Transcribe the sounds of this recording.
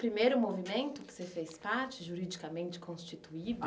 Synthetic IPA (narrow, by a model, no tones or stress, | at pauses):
pɾimejɾʊmovimẽnt̪ʊkɪ̥sefespaɾt͡ʃɪʒuɾid͡ʒikamẽnt͡ʃɪ̥kʰõst͡ʃit̪uid̪ʊ